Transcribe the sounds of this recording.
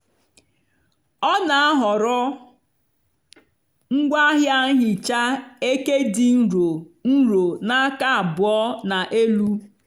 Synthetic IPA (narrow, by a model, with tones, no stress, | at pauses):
ɔ˦na˨a˦ɦɔ˨ɾɔ˦ | ŋ̩˦ɡʷa˦ɦja˦ŋ̩˦ɦɪ˨t͡ʃa˦e˦ke˦dɪ˨n̩˦ɾo˨n̩˦ɾo˨na˦ka˦a˨bʊ˨ɔ˦na˨ʔe˦lu˦